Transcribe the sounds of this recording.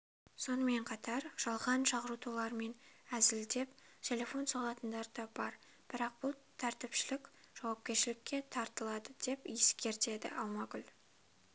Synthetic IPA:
so̞nəme̞ɴqʰɑt̪ɑɾʒ̥ɑlˠʁɑnʃɑʁəɾut̪ʰulˠɑɾme̞næzɪld̪e̞p | t̪ʲʰe̞le̞fo̞nsɑlˠɑt̪ənd̪ɑɾd̪ɑbɑɾ | b̥ɪɾɑq̚b̥ʊlˠt̪ʰæɾt̪ɪpʃɪlɪkʲʒ̥ɑwɑp̚kʲe̞ɾʃɪlɪkʲːe̞t̪ʰɑɾt̪əlˠɑd̪əd̪̥e̞pje̞skʲe̞ɾt̪e̞d̪ɪ̰ʔɑwmɑɡʲʏl

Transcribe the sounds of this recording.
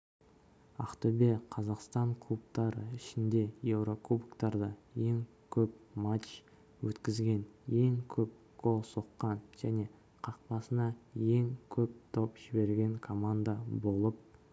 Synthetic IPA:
ɑ̰qt̪obe̞qʰɑzɑqst̪ɑɴkʰlˠup̚t̪ɑɾəɪʃɪnd̪e̞je̞wɾo̞k̪ubkt̪ɑɾd̪ɑje̞ŋ | kʲʰɵpmat͡ʃ | wɵt̪kʲɪzɡʲe̞nje̞ŋkʲʰɵp̚ | ɡ̥ʰolˠso̞qːɑnʒ̥æne̞ | qʰɑq̚pɑsənɑje̞ŋkʲʰɵp̚t̪ʰo̞pʒ̥ɪbe̞ɾɡʲe̞ŋkʰo̞mand̪abo̞lˠəp̚

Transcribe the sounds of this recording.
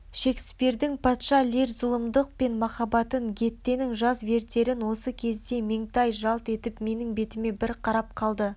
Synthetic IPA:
ʃe̞k̪spe̞ɾd̪ɪŋpʰɑt̪ʃɑlʲeɾzʊlˠəmd̪əq̚pe̞nmɑχɑbɑt̪əŋɡʲe̞t̪ːe̞nɪŋʒɑzve̞ɾt̪e̞ɾɪnwo̞səkʲʰe̞zd̪e̞meŋt̪ɑjʒɑlˠt̪e̞t̪ɪpme̞nɪŋbe̞t̪ɪme̞bɪɾqʰɑɾɑp̚qʰɑlˠd̪ə

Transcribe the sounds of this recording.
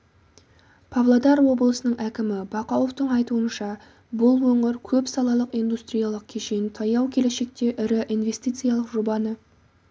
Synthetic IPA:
pʰavlˠod̪ɑɾwo̞bəlˠəsənəɴʔækʲɪmɪbɑqɑlˠovt̪əɴɑjt̪uənʃɑ | bʊlˠwɵŋɪɾkʲʰɵpsɑlˠɑlˠəqijnd̪ust̪ɾijɑlˠəq̚kʲʰe̞ʃejnt̪ʰɑjɑwkʲʰe̞le̞ʃe̞k̚t̪e̞ʔɪɾɪʔijnve̞st̪ijt̪sɨjalˠəqʒobɑnə

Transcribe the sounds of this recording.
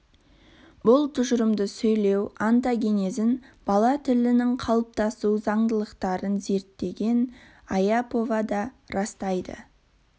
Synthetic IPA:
bʊlˠt̪ʰʊʒəɾəmd̪əsɵjle̞want̪aɡʲe̞nezɪnb̥ɑlˠɑt̪ʰɪlɪnɪŋqʰɑlˠəp̚t̪ɑsuwzɑɴd̪əlˠəqt̪ɑɾənze̞ɾt̪ːe̞ɡʲe̞n | ajapo̞vɑd̪ɑ | ɾɑst̪ɑjd̪ə̰

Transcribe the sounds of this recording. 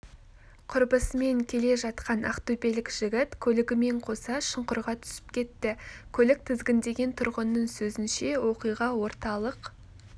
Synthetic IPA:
qʰʊɾbəsme̞ŋkʲʰe̞le̞ʒɑt̪qɑna̰qt̪ube̞lɪkʒ̥ɪɡʲɪt̪kʲʰɵlɪɡʲɪme̞ɴqʰo̞sɑʃəɴqʊɾʁɑt̪ʰʏ̥sɪ̥p̚kʲʰe̞t̪ːɪkʲʰɵlɪk̚t̪ʰɪzɡʲɪnd̪e̞ɡʲe̞nt̪ʰʊɾʁənːəɴsɵzɪnʃe̞wo̞qijʁɑwo̞ɾt̪ɑlˠəq

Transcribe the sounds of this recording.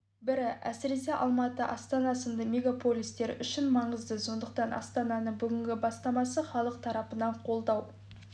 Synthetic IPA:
bɪɾɪʔæ̰sɪɾe̞se̞ʔɑlˠmɑt̪əʔɑst̪ɑnɑsənd̪əmʲe̞ɡapʰo̞lʲijst̪e̞ɾʏ̰ʃɪnmɑɴəzd̪əso̞nd̪əqt̪ɑnʔɑ̰st̪ɑnɑnəɴbʏɡʲɪŋɡʲɪbɑst̪ɑmɑsəχɑlˠəq̚t̪ʰɑɾɑpənɑɴqʰo̞lˠd̪ɑw

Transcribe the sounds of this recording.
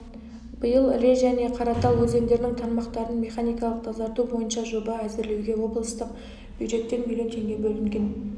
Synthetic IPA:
b̥əjəlˠɪɾe̞ʒæne̞qʰɑɾɑt̪ɑwwɵze̞ŋd̪e̞ɾɪnɪŋt̪ʰɑnmɑqt̪ɑɾənme̞χanijkɑlˠəq̚t̪ʰɑzɑɾt̪ubo̞jənʃɑʒo̞bɑæzɪɾle̞wɡʲe̞wo̞blˠəst̪əq | b̥jud̪ʒe̞t̪ːe̞nmʲilʲˠjo̞nt̪ʰe̞ŋɡʲe̞bɵlɪŋɡʲe̞n

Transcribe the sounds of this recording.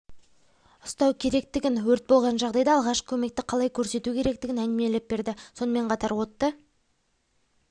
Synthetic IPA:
ʊst̪ɑwkʲʰe̞ɾe̞k̚t̪ɪɡʲɪnwɵɾt̪̚bo̞lˠʁɑnʒɑʁd̪ɑjd̪ɑːlˠʁɑʃkʲʰɵme̞k̚t̪ɪqʰɑlˠɑjkʲʰɵɾse̞t̪ukʲʰe̞ɾe̞k̚t̪ɪɡʲɪnænɪme̞lɪp̚be̞ɾd̪ɪso̞nəme̞ɴqʰɑt̪ɑɾwo̞t̪ːə

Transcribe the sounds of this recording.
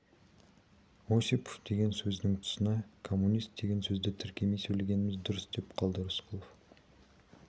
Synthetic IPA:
osipo̥fd̪̥e̞ɡʲe̞nsɵznɪŋt̪ʰʊ̥sənɑkʰo̞mːunʲijst̪̚d̪e̞ɡʲe̞nsɵzd̪ɪt̪ʰɪɾkʲe̞mejsɵjleɡʲe̞nɪmɪzd̪ʊɾəsd̪e̞pqʰɑlˠd̪əɾəsqʰəlˠof

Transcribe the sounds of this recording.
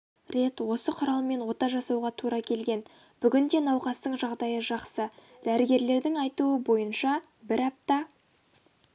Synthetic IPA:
ɾe̞t̪wo̞səqʰʊɾɑlˠme̞nwo̞t̪ɑʒɑsɑwʁɑt̪ʰuɾɑkʲʰe̞lɡʲe̞n | b̥ʏɡʲɪnd̪e̞nɑwqɑst̪əɴʒɑʁd̪ɑjəʒɑqsə | d̪̥æɾɪɡʲe̞ɾle̞ɾd̪ɪŋɑjt̪uəbo̞jənʃɑ | bɪɾɑp̚t̪ɑ

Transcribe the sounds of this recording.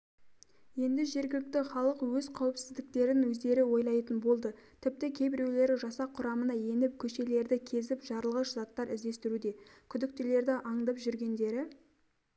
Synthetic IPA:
je̞nd̪ɪʒe̞ɾɡʲɪlɪk̚t̪ɪχɑlˠəqwɵzqʰɑwɪpsɪzd̪ɪk̚t̪e̞ɾɪnwɵzd̪e̞ɾɪwo̞jlˠɑjt̪ənbo̞lˠd̪ət̪ʰɪp̚t̪ɪkʲʰe̞jbɪɾe̞wle̞ɾɪʒɑsɑqʰːʊɾɑmənɑje̞nɪp̚kʲʰɵʃe̞le̞ɾd̪ɪkʲʰe̞zɪpʒ̥ɑɾlˠʁəʃzɑt̪ːɑɾɪzd̪e̞st̪ɪɾud̪e̞kʲʰʏd̪ɪk̚t̪ɪle̞ɾd̪ɪʔɑɴd̪ɑpʒʏɾɡʲe̞nd̪e̞ɾɪ

